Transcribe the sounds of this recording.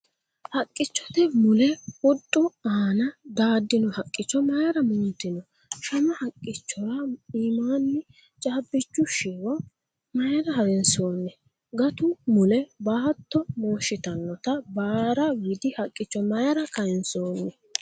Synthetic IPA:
hɐkʼːɪt͡ʃːɔt̪ɛmʊlɛwɔɗʼːʊaːnɐd̪aːd̪ːɪnɔhɐkʼːɪt͡ʃːɔmɐjɐɾɐmʊnt̪ːɪnɔ | ʃɐmɐhɐkʼːɪt͡ʃːɔɾɐiːmaːnːɪ | t͡ʃʼaːbːɪt͡ʃːʊʃɪwɔ | mɐjɐɾɐhɐɾɛnso̞ːnːɛ | ɡɐt̪ʊmʊlɛbaːt̪ːɔmo̞ːʃːɪt̪ɐnːɔt̪ɐbaːɾɐwɪd̪ɪhɐkʼːɪt͡ʃːɔmɐjɐɾɐkɐjɛnsoːnːɛ

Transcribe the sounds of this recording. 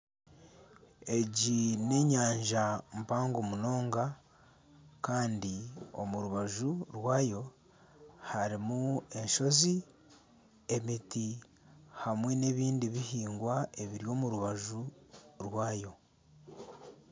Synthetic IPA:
e̞ɟine̞ɲaːɲʒam̩paːŋɡomuno̞ːŋɡa | kaːndio̞̰muɾuβaʒuɾwaːjo̞ | haɾimue̞nʃo̞zi | e̞miti | hamwene̞ːβiːndiβihiːŋɡwae̞βiɾjo̞ːmuɾuβaʒuɾwaːjo̞

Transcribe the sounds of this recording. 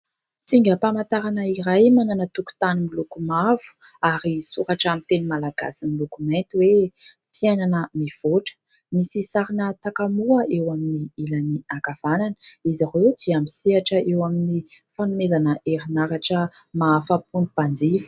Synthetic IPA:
siŋɡʲəpamant̪aɾanəiɾajmananət̪uku̥t̪animilukumav̥u̥ | aɾisuɾaʈ͡ʂamint̪enimalaɡa̰similukument̪iwe | fiananəmiv̥oʈ͡ʂə̥ | misisaɾinət̪akamuəʔewaminiilaniaɡav̥ananəizavewd̪iamisiaʈ͡ʂəʔewaminifanumezanəʔeɾinaɾaʈ͡ʂəmaːfap̚unib̥and͡zivu̥

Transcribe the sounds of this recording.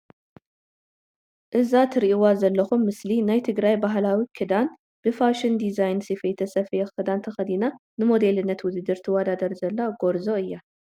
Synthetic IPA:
ʔɨzat̪ʰɨɾʔiwazɐlːɐxumːɨslinajt̪ʰɨɡɾajbaɦlawikʰɨd̪an | b̥ɨfaʃɨnd̪izajnsifɐjt̪ʰɐsɐfɐjɛkɨd̪ant̪ʰɐxɐd̪inanɨmo̞d̪e̞lɨnːɐt̪wʊd̪ɨd̪ɨɾt̪ʰiwɐd̪ad̪ɐɾzɐlːaɡo̞ɾzo̞ɨjːa

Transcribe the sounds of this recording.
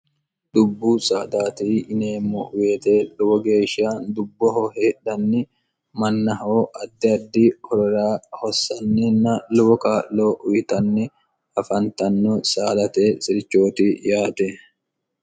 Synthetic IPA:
d̪ʊbːuːsaːd̪aːt̪iːɪneːmːɔʔʊweːt̪e̞ːlʊwɔɡe̞ːʃɪaːnd̪ʊbːɔɦɔheːᶑɐnːɪ | mɐnːɐɦoːʔɐd̪ːɪɐd̪ːiːhɔɾɔɾaːhɔsːɐnːinːɐlʊwɔkaːʔlo̞ːʔʊjɪt̪ɐnːɪ | ɐfɐnt̪ɐnːɔsaːlɐt̪eːsɪɾɪt͡ʃːo̞ːt̪ijaːt̪e

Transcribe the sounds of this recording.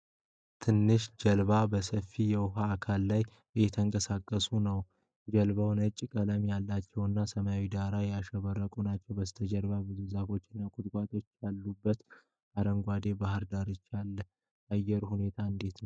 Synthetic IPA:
t̪ʰɨnːɨʃd͡ʒəlβabəsəfijɛwʊɦaːkʰalːaj | ɨjɛt̪ʰəŋkʼəsakʼːəsunəw | d͡ʒɛlβəwnət͡ʃʼːkʼələmjalːat͡ʃːɛwɨnːasəməjawid̪aɾajaʃəβəɾəkʼunat͡ʃːɛwbəst̪ʰəd͡ʒəlβabɨzuzafo̞t͡ʃːɪnːakʼʊt̪ʼkʷʼat̪ʰo̞t͡ʃːjalːubːət̪ | aɾəŋɡʷad̪e̞bahɨɾd̪aɾɨt͡ʃːalːə | ʔajːɛɾhune̞t̪ʰaɨnd̪e̞t̪nəw

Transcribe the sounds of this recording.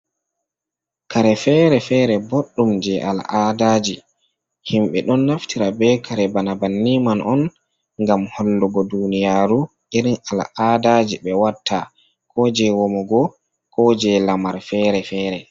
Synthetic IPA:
kaɾɛfɛːɾɛfɛɾɛboɗːumd͡ʒɛʔa̰la̰ʔadaːd͡ʒi | himɓɛɗɔnːaftʰiɾabɛkʰaɾɛbanabanːimanʔɔn | ŋɡamhɔlːuɡɔdunijaːɾu | iɾinala̰ʔadad͡ʒiɓɛwatʰːa | kʰɔd͡ʒɛwɔmɔɡɔ | kɔd͡ʒɛlamaɾfɛːɾɛfɛːɾɛ

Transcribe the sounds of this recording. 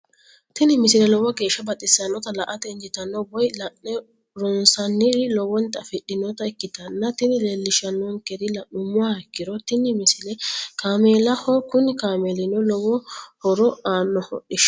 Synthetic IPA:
t̪ɪnɪmɪsɪlɛlɔwɐɡe̞ːʃːɐbɐt̪ʼɪsːɐnːɔt̪ɐlɐʔɐt̪ɛnd͡ʒɪt̪ɐnːɔbɔjlɐnɛ | ɾɔnsɐnːɪlɔwɔnt̪ːɐfɪɗɪnɔt̪ɐɛkːɪt̪ɐnːɐt̪ɪnɪlelːɪʃɐnːɔŋkɛd̪ɪlɐʔʊmʊwaːɛkːɪɾɔt̪ɪnːɪmɪsɪlɛkaːmeːlɐhɔkʊnɪkaːmeːlɪnɔlɔwɔhɔɾɔaːnːɔhɔ̰ʔɪʃ

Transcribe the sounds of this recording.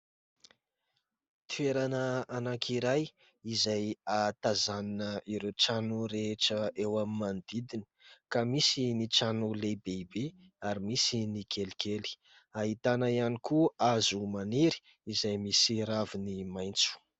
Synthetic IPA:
t̪i̥eɾanəanakʰiɾaj | izajat̪azaninəiɾewt͡ʃanuɾeʈ͡ʂəewamimand̪id̪ini̥kamisinit͡ʃanulebeibe | aɾimisinikʰelikʰeli̥ | aɦit̪anaianikuazumaniɾi̥ | izajmisiɾavinimajnt͡su̥

